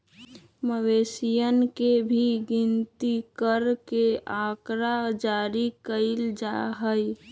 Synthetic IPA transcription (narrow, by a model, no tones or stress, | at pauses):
məʋesijənkebʱiɡint̪ikəɾkeakɾad͡ʒaɾikəɪld͡ʒaɦəj